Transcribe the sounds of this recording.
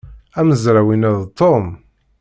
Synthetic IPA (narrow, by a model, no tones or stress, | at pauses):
æməzɾæwinæðt̪ːom